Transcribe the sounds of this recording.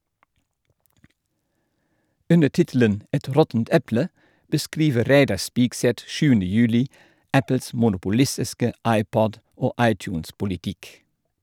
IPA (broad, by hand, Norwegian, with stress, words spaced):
ˈʉnə ˈʈɪtl̩ən ˈɛt ˈɾɔtn̩t ˈɛplə bəˈskɾiːʋəɾ ˈɾæɪdɑ ˈspiːkˌsɛt ˈʃʉːəndə ˈjʉːlɪ ˈæpəls mʊnʊpʊˈlɪsɪskə ˈɑɪˌpɔd ˈoː ˈʔɑɪtˌçʉːnspʊlɪˌtɪk